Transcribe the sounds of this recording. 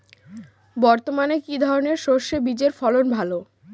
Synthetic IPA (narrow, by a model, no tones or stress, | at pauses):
bɔɾt̪omanekid̪ʱɔɾoneɾʃoʃebid͡ʑeɾfɔlonbʱalo